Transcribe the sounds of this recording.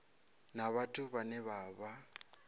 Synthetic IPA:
naβatʼʊβanɛβaːβa

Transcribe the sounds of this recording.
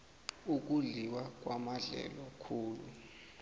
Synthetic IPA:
uk̬ʼuɮiwak̬ʼwamaɮɛ̰lɔkʰuːlṵ

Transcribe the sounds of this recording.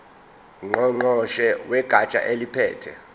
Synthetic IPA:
ŋ͡ǃɔŋ͡ǃɔʃɛwɛɡ̥ʱat͡ʃʼa̰ʔelipʰɛːtʰɛ

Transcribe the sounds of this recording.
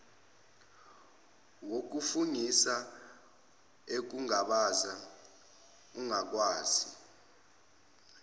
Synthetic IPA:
wok̬ufuŋisa | ek̬uŋaɓaza | uŋak̬ʼwaːzi

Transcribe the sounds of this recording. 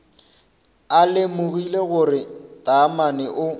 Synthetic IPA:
alɪmʊɣileɣʊrɪtʼamanɪʔʊ

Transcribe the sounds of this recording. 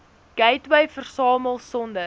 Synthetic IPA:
ɡ̥ɛjtwəjfərsɑːməlˠsɔndə

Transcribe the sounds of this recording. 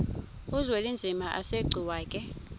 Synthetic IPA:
uzwelind͡zʱimaʔa̰seɡ͡ǀʱiwaːkʼɛ

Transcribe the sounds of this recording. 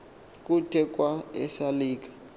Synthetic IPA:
k̬ʼutʰɛk̬ʼwaɛsaliːk̬ʼḁ

